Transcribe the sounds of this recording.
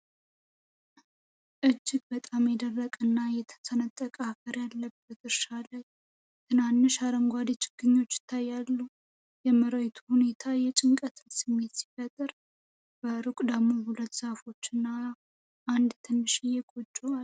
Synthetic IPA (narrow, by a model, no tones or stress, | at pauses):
ʔɨd͡ʒːɪɡbət̪ʼamjɛd̪ərːəkʼɨnːajɛt̪ʰə̥tʰənət̪ʼːəkʼafəɾjalːəbət̪ɨɾʃaləj | t̪ʰɨnanːɨʃaɾəŋɡʷad̪et͡ʃʼɪ̥ɡ̥ɨɲːo̞t͡ʃːjɪ̥t̪ʰːajːalːu | jɛməɾəjt̪ʰuhune̞t̪ʰajɛt͡ʃʼɪŋkʼət̪ʰɨlsɨmːe̞t̪si̥fət̪ʼːɨɾ | b̥əɾɨkʷʼd̪əmːohulət̪ːsafo̞t͡ʃːɨnːa | ʔand̪t̪ʰɨnːɨʃijɛkʼot͡ʃʼːual